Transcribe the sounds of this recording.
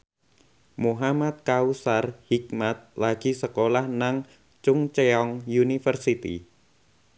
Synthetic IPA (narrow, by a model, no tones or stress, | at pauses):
muɦamat̪̚kausarhik̚mat̪̚laɡ̥i̤səkolahnaŋ | t͡ʃʊŋt͡ʃeɔŋjunifərsit̪ḭ